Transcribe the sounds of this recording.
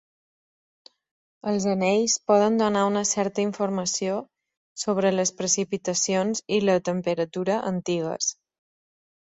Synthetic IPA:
əlˠzənɛjspɔðənd̪unaunəsɛɾt̪əiɱfuɾməsio | soβɾələspɾəsipit̪əsionzilət̪əmpəɾət̪uɾəʔənt̪iɣə̰s

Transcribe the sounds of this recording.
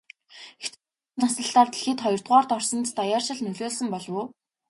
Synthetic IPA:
ext͡ɕ | nasə̆ɬt̪aːrt̪i̥ɮxiːt̪χɔjɞ̆r̥t̪̚ʁɔːrt̪ɔrsɞ̆nt͡st̪ajaːrʃɪ̆ɮnɵɮoːɮsə̆mpɔɮwʊː

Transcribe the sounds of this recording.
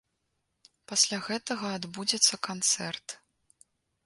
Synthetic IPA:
pasʲlʲaɣɛt̪ɐɣɐad̪bud͡zʲɛt̪sːɐkant̪sɛrt̪

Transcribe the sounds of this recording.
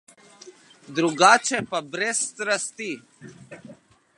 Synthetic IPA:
d̪ɾuɡaːt͡ʃʰepɐbɾeːst̪ɾəst̪iː

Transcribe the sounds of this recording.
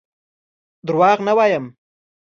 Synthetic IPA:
d̪ɾwɑɣnawɑjəm

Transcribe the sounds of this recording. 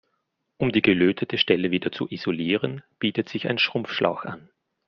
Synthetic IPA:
ʔʊmdiːɡəløːtʰətʰəʃtɛləviːdɐt͡sṵʔiz̥oliːʁənb̥iːtətz̥ɪça̰ɪnʃʁ̥ʊmp͡fʃlʔa̰ʊxʔa̰n

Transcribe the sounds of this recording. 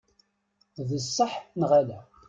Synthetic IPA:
ðəsːəħnʁalæ

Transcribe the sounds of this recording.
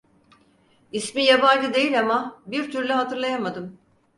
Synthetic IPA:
ismijaband͡ʒɯd̪e̞jilʲamabiɾt̪ʰyɾlʲɛɦat̪ʰɯɾlˠajamad̪ɯm

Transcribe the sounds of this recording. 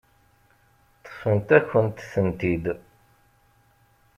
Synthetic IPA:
θə̥fənt̪æçənt̪sənt̪id̪

